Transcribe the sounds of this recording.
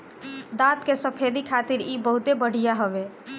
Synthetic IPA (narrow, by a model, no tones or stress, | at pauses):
d̪ãt̪kesəpʰed̪ikʰat̪iɾibəɦut̪ebəɽ̤ijaɦəbe